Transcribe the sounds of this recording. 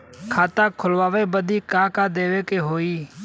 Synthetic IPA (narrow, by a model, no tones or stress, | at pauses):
kʰaːt̪ãːkʰʊlʋaːʋeːbəd̪iːkaːkaːd̪eːʋeːkeːɦoːiː